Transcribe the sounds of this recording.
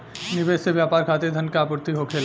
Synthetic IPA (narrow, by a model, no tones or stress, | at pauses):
nɪʋeːsseʋjaːpaːɾkʰaːt̪ed̪ʱɐnkaːpʊɾt̪iɦokʰeːl